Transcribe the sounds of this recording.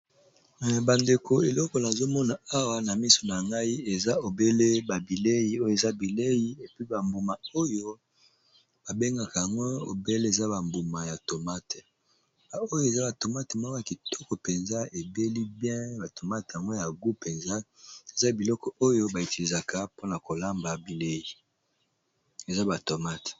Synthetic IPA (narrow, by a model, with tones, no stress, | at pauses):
ba˨nde˨kʰo˨e˨lɔ˦kɔ˨na˨zo˦mɔ˦na˨a˦wa˦na˨mi˦so˨na˨ŋɡa˦i˦e˨za˦o˨be˦le˦ba˨bi˨le˦ji˨o˦jo˦e˨za˦bi˨le˦ji˦e˨pi˦ba˨mbu˨ma˨o˦jo˦ | b̥a˨be˦ŋɡa˨ka˨ja˨ŋɡo˦o̰˨be˦le˦e˨za˦ba˨mbu˨ma˨ja˨to˨ma˦te˨ | ba˨o˦jo˦e˨za˦ba˨to˨ma˦te˨mo˦kja˨ki˨tɔ̥˦kɔ˨pe˨nza˦e˨be˦li˦bjɛ̃˦ba˨to˨ma˦tja˨ŋɡo˦ja˨ɡu˦pe˨nza˦e˨za˦bi˨lɔ˦kɔ˨ʔo˦jo˦ba˨e˨ti˨li˨za˨kʰa˨po˦na˨ko˨la˦mba˨bi˨le˦ji˨ | e˨za˦ba˨to˨ma˦t